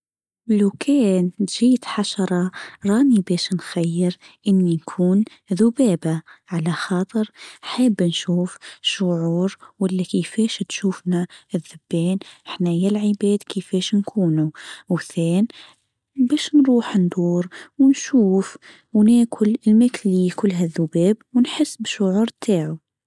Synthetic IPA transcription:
lokʰɛːnt̪ʒiːt̪ħaʃɑɾˤɑɾˤɑːnibɛːʃnxajːəɾ | ʔənːinkʰuːn | ðʊbɛːbaʕalæxɑːt̪ˤəɾħabːnʃuːfʃʊʕuːɾwælːækəfɛːʃt̪ʃuːfnaɪðːʊbːɛːnħnæjælʕəbɛːd̪kəfɛːʃnkʰuːnuwθɛːn | bɛːʃnɾuːħnd̪uːɾwnʃuːf | wnæːkʰʊlɪlmæklikʊlːɦæðːʊbɛːbwnħəsːbʃʊʕuːɾˤt̪ʰaːʕu

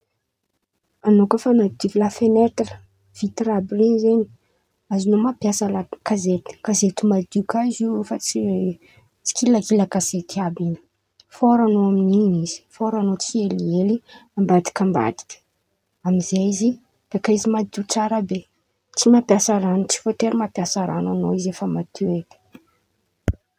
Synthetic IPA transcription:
anokəfanad̪ivilafenet̪rə̥ | v̥it̪irabrinizeni̥ | azinomapjasəlakazet̪i̥kazet̪umald̪ukaizifat͡si | t͡si̥kʰilakiləkaz̥et̪iabinə̥ | foɾanoamininizi̥foɾanot͡sielieliambat̪i̥kamba̰d̪i̥kə̥ | amizaizi | d̪̥ekaizimad̪ut͡saɾabe | t͡simapjasaɾanut͡si̥fot̪eɾimapjasaɾa̰nanoizefəmat̪ʰuet̪i̥

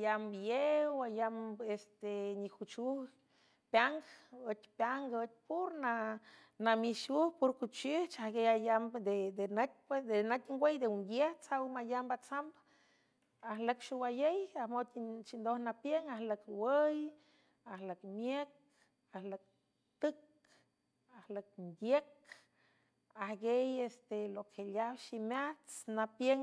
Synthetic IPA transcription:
ajamjewajamest̪eɲihut͡ʃuh | pjaŋɡət̪ʲpjaŋɡət̪̚puɾna | namiʃuhpuɾkut͡ʃiht͡ʃahɡejajamd̪ed̪enat̪̚pesd̪enat̪ʲŋɡwʷejd̪ewuŋɡjeht͡sawmajambat͡samb | ahləkʃiwajejahmot̪iʃind̪ohnapjeŋahləkwəj | ahləkmjek̚ | ahlək̚ | t̪ɨk | ahlək̚nd̪jek | ahɡejest̪elokʰeljawʃimaht͡snapjeŋ

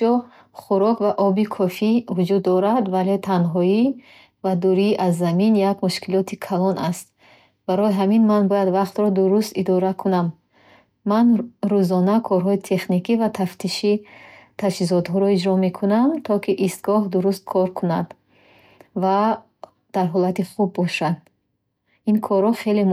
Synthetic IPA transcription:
ɔ | χuɾɔkvaʔɔbikʰɔfivud͡ʒud̪ːɔɾad̪valet̪ʰanɦɔi | vad̪uɾiʔazːaminjakmuʃkilɔt̪ʰikʰalɔnast̪̚ | b̥aɾɔjiɦaminmanbɔjad̪vaqt̪ɾɔd̪uɾust̪id̪ɔɾakʰunamː | anɾuzɔnakʰɔɾɦɔit̪ʰe̞χnikivat̪ʰaft̪ʰiʃit̪ʰad͡ʒhizɔt̪ɦɔɾɔid͡ʒɾɔme̞kʰunamt̪ʰɔkʰiʔist̪ɡɔɦd̪uɾust̪̚kʰɔɾkʰunad̪ | va | d̪̥aɾɦɔlat̪iχubːɔʃad̪ | inkʰɔɾhɔχe̞le

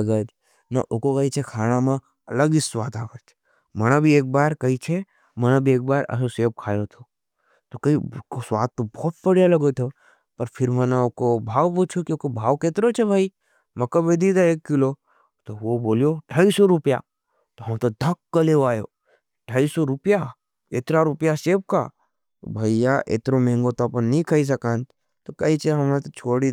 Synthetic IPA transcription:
ɡəd͡ʒ | nɐ̰ʔokokəit͡ʃʰekʰaːñamã | ɐləɡisʋaːt̪aːʋət͡ʃʰ | mɐñabʱieːk̚baːɾkɐit͡ʃʰe | mənãbʱieːk̚baːɾɐ̰soseːp̚kʰaːjot̪ʰo | t̪okɐikosʋaːt̪ːobɔːt̪̚pəɽjalɐɡot̪ʰo | pɐɾpʰɪɾmənaokobʱaːʋput͡ʃʰokiokobʱaːʋkeːt̪ɾot͡ʃʰebʱaːi | mɐkɐbed̪id̪aeːkːɪlo | t̪oʋoboːlijoʈʰaːisɔɾʊpja̰ | t̪oɦɐmt̪od̪ʱɐkːɐleaːjo̰ | ʈʰaːisoɾʊpja | et̪ɾaɾʊpjaseːp̚ka̰ | t̪o̰bʱɐijaʔḛt̪ɾõmẽːŋɡot̪opənnĩkʰɐis̬ɐkaːn | t̪okɐit͡ʃeɦɐmnat̪ot͡ʃʰoːɽi

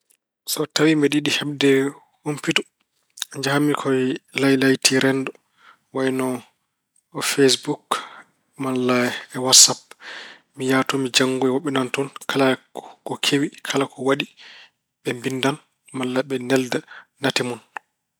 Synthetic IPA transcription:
sɔtawimɛɗiɗihɛbdɛ | humpitu | ɲd͡ʒahamːikʰɔjlajlajtʰiɾɛndɔ | wajnɔ | ɔfesbuk | malːaɓɛwatsap̚ | mijatɔmid͡ʒaŋɡuɛwɔɓːɛnantɔnkʰalakɔkʰewikʰalakʰɔwaɗi | ɓɛmbindan | malːaɓɛnɛldanatɛmun

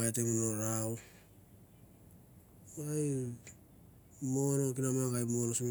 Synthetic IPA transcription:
ajteɡunoɾaw | aj | monok̬inamaŋkajmo̞nosim

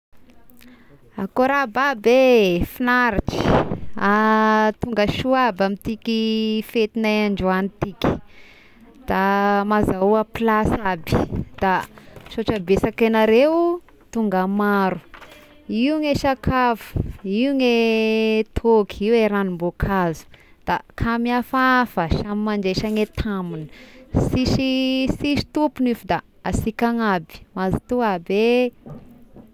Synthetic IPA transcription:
akoɾababefinaɾaʈ͡ʂi̥at̪uŋɡəʃuabamit̪ikʲifet̪inajaɳɖ͡ʐuanit̪iki̥ | d̪̥amazaapilasabi̥d̪̥aʃoʈ͡ʂabesakenaɾew | t̪uŋɡəmaɾu̥ | iuŋeʃakʰavu̥iuŋe | t̪ʰokʰiweɾanimbokʰazu̥ | d̪̥akʰamiafafəʃamimaɳd͡ʒeʃaŋet̪ʰamunə̥siʃisiʃi̥t̪upunifud̪a | asikaŋabi̥mazit̪uabe

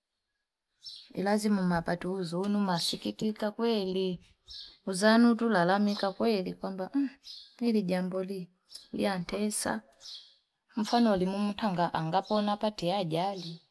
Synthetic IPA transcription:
ḭlazimumapatuzuːnumasikikikakwɛli | uzanutulalamikakwɛlikwambam̩iliɟambɔli | lj̰antʰɛsa̰ | ɱ̩fanɔlimum̩taŋɡaʔaŋɡapɔnapatɛaɟali

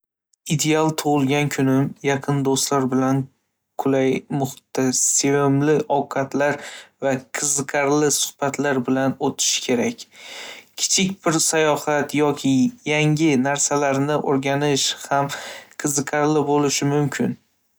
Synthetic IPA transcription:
id̪e̞alˠt̪ʰʊʁʊlˠɡʲankʲʰʊnɪmjɑqʰɨnd̪ost̪laɾbɪlan | kʰʊlajmʊχt̪ʰːasevɪmlɪʔɒwqʰɑt̪ʰlaɾvaqʰɨzɨqʰɑɾlɪsʊ̥hb̥at̪ʰlaɾbɪlanot̪ʰɪ̥ʃkʲʰe̞ɾakʲkʲʰɪ̥t͡ʃʰɪkʲbɪɾsajɒhat̪jɒkʲʰɪjaŋɪnaɾsalaɾnɪʔoɾɡʲanɪʃhamqʰɨzɨqʰɑɾlɪbolɪʃɪmʊmkʲʰɪn

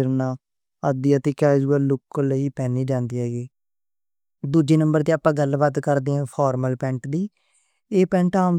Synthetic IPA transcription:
ɪɾnaː | əd̪iːaːt̪eːkaːd͡ʒuəːlʊkləiːpɛːniːd͡ʒãːnd̪iːɦɛːɡiː | d̪uːd͡ʒeːnəmbəɾt̪eːaːpːãːɡəlbaːt̪kəɾd̪eːɛ̃ːpʰɔːɾməlpɛ̃ːɳʈd̪iː | eːpɛ̃ːɳʈaːm

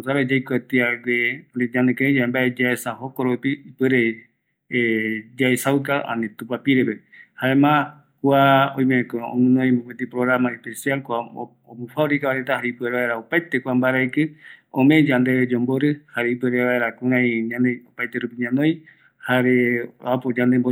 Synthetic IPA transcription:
saɾad͡ʒajkʷet̪iaɡeɾeɲãnekeẽd͡ʒaembaed͡ʒaesaɦokoɾopiipweɾe | ed͡ʒaesawkaʔã̰nĩt̪upapiɾepehaemã | kʷaõj̃mẽkoõ̰nɨ̃noj̃mõket̪ipɾoɣɾamãepesjalkʷa | omũfaɾikaβaɾet̪ahaɾeipɨeɾeβaeɾaopajt̪ekʷambaɾaikɨõmẽd͡ʒand̪eβed͡ʒomboɾɨhaɾeipweɾeβaeɾakũɾãiɲãneopajt̪eɾupiɲãnõj | haɾeapod͡ʒand̪embo

